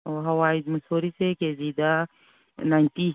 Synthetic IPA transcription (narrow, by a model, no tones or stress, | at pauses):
oɦɐwaːid͡ʒmɐsoːɾisekeziːd̪a | nãt̪i